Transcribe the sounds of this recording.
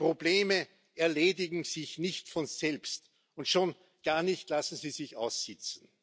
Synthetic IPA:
pʁ̥obleːmə | ɛɐleːdɪɡŋ̩zɪçnɪçtfɔnzɛlpst | ʊntʃoːn | ɡ̥aːɐnɪçtlasn̩siːzɪça̰ʊsːɪt͡sn̩

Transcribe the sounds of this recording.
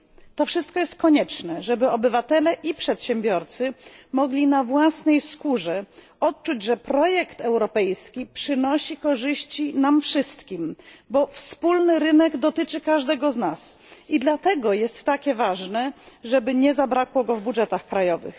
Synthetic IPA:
t̪ɔfʂɨst̪̚kɔjɛst̪̚kɔɲɛt͡ʂnɛʐɛbɘɔbɘvat̪ɛlɛʔipʂɛt̪ɕɛmbʲjɔɾt̪sɘmɔɡlʲinavwasnɛjskuʐɛ | ɔt̪t͡ʂud͡ʑʐɛpɾɔjɛkt̪ɛwɾɔpɛjskʲipʂɘnɔɕikɔʐɘɕt͡ɕinamfʂɘst̪kʲimbɔfspulnɘɾɘnɛɡd̪ɔt̪ɘt͡ʂɘkaʐd̪ɛɡɔznasid̪lat̪ɛɡɔjɛst̪ːakʲɛvaʐnɛʐɛbɘɲɛzabɾakwɔɡɔvbuʐɛt̪axkɾajɔvɘ̰x

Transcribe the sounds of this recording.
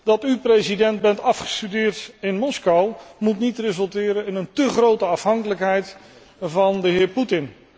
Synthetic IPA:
dɑtyprejzidɛnt̚bɛntɑfχə̥stydɪːɹtɪnmɔskawmutnitrezɵlˠtɪːɾənɪnəntəχrowtəɑfɦɑŋkələkɦɛjt | vɑndəɦɪːɹputɪn

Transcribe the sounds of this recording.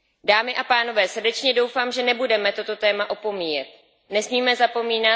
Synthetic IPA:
daːmɪʔapaːno̞vɛːsr̩dɛt͡ʃɲɛdo̞wfaːmʒɛnɛbudɛmɛt̪o̞t̪o̞t̪ɛːmaʔo̞po̞miːjɛt̪̚ | nɛsmiːmɛzapo̞miːna

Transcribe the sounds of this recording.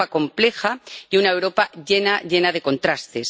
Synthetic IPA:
ako̞mple̞xaiunaewɾo̞paʝe̞naʝe̞naðe̞ko̞nt̪ɾast̪e̞s

